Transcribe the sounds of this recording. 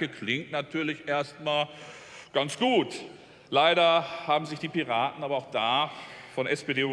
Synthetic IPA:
əkʰlɪŋtnatʰyːɐlɪçʔeːɐstmaːl | ɡ̥ant͡sɡ̥uːt | laɪɾɐhaːbm̩zɪçd̥iːpiʁaːtn̩aːbɐaʊxd̥aːfɔnʔɛspedeː

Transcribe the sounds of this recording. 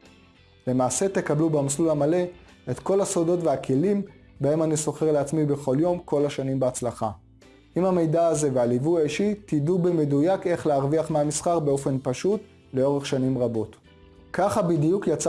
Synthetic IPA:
le̞maːse̞te̞kablubamaslulhamale̞ | etko̞lhasodo̞tveakʰe̞lim | bae̞maniso̞χe̞ʁleat͡smibe̞χo̞ljo̞mko̞laʃanimbeat͡slaχa̰ | ʔimhame̞jdaːze̞vealivujaiʃitidubemedujake̞χleaʁviaχmeamisχaʁbeo̞fe̞npaʃut | le̞o̞ʁeχʃanimʁabo̞t | kaχabidijukjat͡s

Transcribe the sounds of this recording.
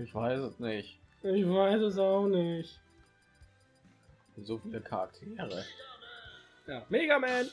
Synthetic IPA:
ʔɪçv̥aɪsɛsnɪçtɪçv̥aɪsɛs̬aʊxnɪçt | zoːfidɛkʰaʁak̚tʰeːʁə | jaːmeːɡamɛːn

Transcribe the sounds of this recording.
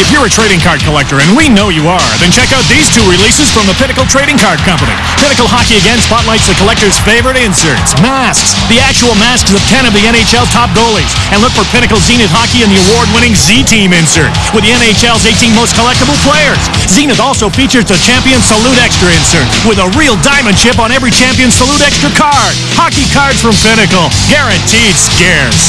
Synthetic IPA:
ɨfjə˞ɨtʰɹ̥eɪɾɪ̃ŋkʰɑɹd̚kʰəlɛk̚tə˞ɨ̃nwinoʊjɨə˞ðɨ̃nt͡ʃʰɛkaʊt̪̚ðiz̥tʰuɹɨlisɨz̥fɹʌ̃mðəpʰɪnɨkl̩ˠtʰɹ̥eɪɾɪ̃ŋkʰɑɹd̚kʰʌ̃mpənḭ | pʰɪ̃nɨkl̩ˠhɑkiɨɡɛ̃nspʰɑtˡlaɪtsðɨkʰəlɛk̚tə˞z̥feɪvə˞ɨɾɪ̃nsə̰˞tsmæ | sksðiæk̚t͡ʃul̩ˠmæsksʌv̥tʰɛ̃ɾ̃ʌvðiɛ̃ɾ̃eɪt͡ʃɛlˠz̥tʰɑp̚ɡ̥oʊlˠɪ̃z | ɨ̃nlʊkfə˞pʰɪñɨkl̩ˠzĩnɨt̚hɑkiɨ̃nðiəwɔɹd̚wɪ̃nɪ̃ŋzitʰĩmɪ̃nsə̰˞t | wɨðiɛ̃ñeɪt͡ʃɛlˠzeɪtĩnmoʊskʰəlɛk̚təbl̩ˠpʰl̥eɪə˞z̥ | zĩnɨɾɔlˠsoʊfit͡ʃə˞zɨt͡ʃʰæ̃mpiɨ̃nsəluɾɛkstɹ̥əɪ̃nsə˞t̚wɨðəɹilˠdãɪ̃mɨ̃nd̥ʃɪp̬n̩ɛvɹit͡ʃʰæ̃mpiɨ̃nsəluɾɛkstɹ̥əkʰɑɹd̥̚hɑkikʰɑɹdz̥fɹʌ̃mpɪñɨkl̩ˠ | ɡ̥ɛɹɨ̃ntʰid̥skɛɹz̥

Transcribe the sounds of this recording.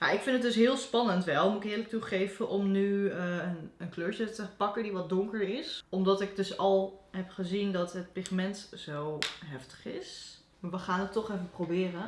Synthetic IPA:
ja̰ɪkfɪndədɵs̬ɦɪːlˠspɑnəntʋɛlˠmuɪkɪːɹlək̚tuχejvənʔɔmnyənənkløːɹt͡ʃətəpɑkədiʋɔt̚dɔŋkəɹɪsɔmdɑtɪk̚dɵsɑlˠɦɛpχəzindɑtɦət̚pɪχmɛntz̥owɦɛftə̥χɪs | maʋəχaːnətːɔχɛfəprowbɪːrə

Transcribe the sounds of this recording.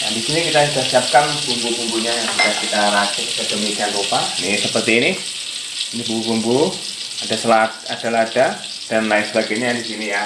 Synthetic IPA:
ja̰ŋdisinikit̪aidasiap̚kanb̥umbubumbuɲajaŋsusakit̪aɾat͡ʃɪkdadəmiɡanupanisəpərt̪iːnih | inibumbubumbu | ad̥asəlat̪̚ad̥alaːd̥a | d̥anlaɪsəlaɡɛɲajadisinija

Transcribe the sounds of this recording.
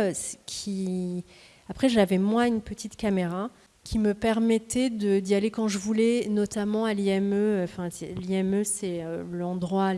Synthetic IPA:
skʲʰi | apχɛʒavɛmwɛ̃ynpət̪it̪kameʁa | kʲʰiməpɛʁmɛt̪ɛd̪əd̪ialekɑ̃ʒəvulɛnɔt̪amɑ̃aliɛmøøfɛ̃sɛ̰liɛmøsɛølɑ̃d̪ʁwa

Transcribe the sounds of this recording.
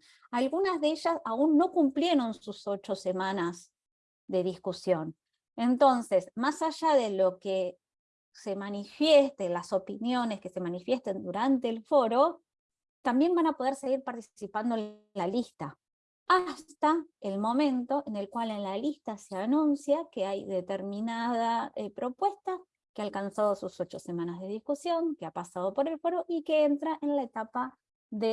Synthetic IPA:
alɣunazðeeʒasaunːo̞kumplje̞ɾo̞nsuso̞t͡ʃo̞se̞manaz | ðe̞ð̞iskusjo̞n | e̞nt̪o̞nse̞smasaʒaðe̞lo̞ke | se̞manifjest̪elaso̞pinjo̞ne̞ske̞se̞manifje̞st̪end̪uɾant̪e̞ːlfo̞ɾo̞ | t̪ambje̞mbanapo̞ð̞eɾse̞ɣiɾpaɾt̪isipand̪o | lalist̪a | ast̪aelmo̞mẽ̞nt̪o̞ʔene̞lkwalenlalist̪aseanũnsjake̞ajðe̞t̪eɾmĩnaðaepɾo̞pwe̞st̪a | kealkansað̞o̞suso̞t͡ʃo̞se̞mãnazð̞e̞ð̞iskusjo̞ŋkeapasað̞o̞po̞ɾe̞lfo̞ɾo̞ʔikeent̪ɾaʔe̞nlaet̪apa | ðe

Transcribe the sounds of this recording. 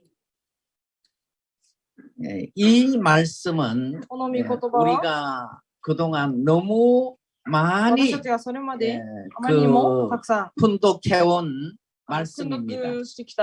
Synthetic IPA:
jḛimaɭs͈ɯmɯn | uɾiɡa | kɯdoŋanːʌmu | maɲisoɾjmadkɯak̚s͈apʰundokʰe̞won | maɭs͈ɯmimɲak

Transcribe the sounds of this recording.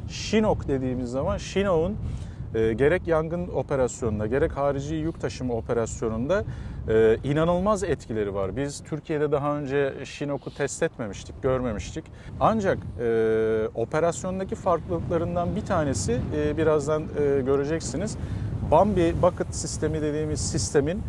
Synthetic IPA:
ʃinokd̪e̞d̪iːmizːamanʃino̞unɯːɟe̞ɾɛcjaŋɡɯno̞pʰe̞ɾasjo̞nunaɟe̞ɾɛchaːɾid͡ʒijuk̚t̪ʰaʃɯmo̞pʰe̞ɾasjo̞nund̪aɯːinanɯlˠmazɛt̪cʰilʲe̞ɾivaɾbizt̪ʰyɾcʰije̞d̪ɛd̪aɦaø̞nd͡ʒɛʃino̞kʰut̪ʰɛst̪ʰɛt̪me̞miʃt̪ʰi̥c̚ɟ̥øɾme̞miʃt̪ʰic | and͡ʒakɯːo̞pʰe̞ɾasjo̞nd̪acifaɾklˠɯlˠɯklˠaɾɯnd̪anbit̪ʰaːne̞sibiɾazd̪anːɟø̞ɾe̞d͡ʒɛcsiniz̥bambibakɯt̪sist̪ʰe̞mid̪e̞d̪iːmiz̥sist̪ʰe̞min

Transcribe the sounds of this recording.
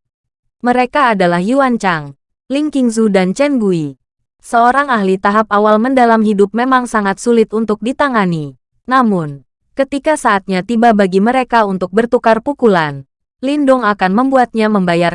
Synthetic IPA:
məɾekaːdalahjuwaɲt͡ʃaŋ | liŋkiŋzudant͡ʃɛnbui | səoɾaŋahlit̪aɦap̚awalməndalamɦidʊp̚memaŋsaŋat̪̚sulɪt̪unt̪ʊk̚dit̪aŋani | namʊn | kət̪ikasaːt̪̚ɲat̪ibabaɡiməɾekaunt̪ʊk̚bərt̪ukarpukulan | lindʊŋakanməmbuat̪̚ɲaməmbajar

